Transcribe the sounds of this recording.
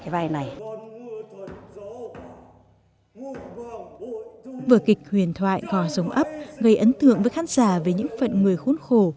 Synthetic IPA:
vaː˧jna˨˩j | vəː˨˩kï˨˩k̟̚hwi˨˩ənt̪ʰwa̰ː˧˨jkɔ˨˦zə˨˦wŋ͡mʔə˦˥p̚ɣə˧jʔə˨˦nt̪ɨ̰˧˨əŋvəː˨˦jxaː˨˦nz̥aː˧˩ve˨˩ɲɨ̰˧˥ŋfə̰˧˨nŋɨ˨˩əjxu˨˦nxo˧˩

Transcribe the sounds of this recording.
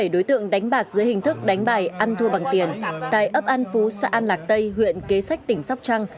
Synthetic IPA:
e˧˩ɗo˨˦jt̪ɨ̰˧˨əŋɗa˨˦jŋ̟ɓaː˨˩k̚zɨ˨˦əjhï˨˩ŋ̟t̪ʰɨ˦˥k̚ɗa˨˦jŋ̟ɓaː˧˩jʔa˧nt̪ʰu˧əɓa˨˩ŋt̪i˨˩ənt̪a̰ː˧˨jʔəː˦˥p̚ʔa˧nfu˨˦sa̰ː˧ʔa˧nlaː˨˩k̚t̪ə˧jhwḭ˧˨ənke˨˦sa˦˥jk̟̚t̪ï˧˩ŋ̟sa˦˥wk͡p̚t͡ɕa˧ŋ

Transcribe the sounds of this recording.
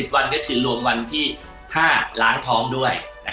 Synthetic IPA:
i˨˩t̪̚wa˧nkɔ˥˩kʰɯː˧˩ɾu˧əmwa˧nt̪ʰiː˥˩ | t̪ʰaː˥˩la̰ː˩˦ŋt̪ʰɔː˦˥ŋdu˥˩əjna˦˥

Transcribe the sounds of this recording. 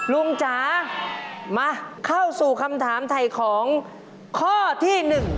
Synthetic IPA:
lu˧ŋt͡ɕaː˩˦ | maː˧kʰa˥˩wsuː˨˩kʰa˧mt̪ʰaː˩˦mt̪ʰa˨˩jkʰɔː˩˦ŋ | kʰɔː˥˩t̪ʰiː˥˩nɯ˨˩ŋ

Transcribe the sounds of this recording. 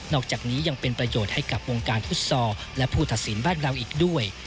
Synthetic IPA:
nɔː˥˩k̚t͡ɕaː˨˩k̚niː˦˥ja˧ŋpe˧npɾa˧joː˨˩t̪̚ha˥˩jka˨˩p̚wo˧ŋkaː˧nt̪ʰu˥˩t̪̚sɔː˧lɛ˦˥pʰuː˥˩t̪ʰa˨˩t̪̚si˩˦nbaː˥˩nɾa˧wʔiː˨˩k̚du˥˩əj

